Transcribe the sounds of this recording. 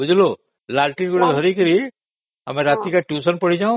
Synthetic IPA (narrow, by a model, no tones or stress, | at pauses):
bud͡ʒʱlo | lalʈiɾɡuɽed̪ʱɔɾikəɾi | ə̰mẽɾat̪ikaʈjusənpəɽ̤id͡ʒaũ